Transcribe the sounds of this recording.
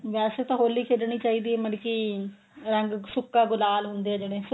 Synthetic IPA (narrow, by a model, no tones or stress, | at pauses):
ʋɛːseːt̪ãːɦoːlːiːkʰeːɖɳ̃iːt͡ʃaːiːd̪iːɛːmənki | ɾəŋɡsʊkːãːɡʊlaːlɦʊnd̪eːɛːd͡ʒeːɽẽːs